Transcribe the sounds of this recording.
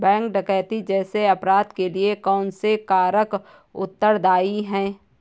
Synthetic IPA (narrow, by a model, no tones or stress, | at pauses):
bɛ̃ːŋk̚ɖəkɛːt̪id͡ʒɛːseɐpɾaːd̪keliekɔːnsekaːɾək | ʊ̰t̪ːəɾd̪aːiɦɛ̃ː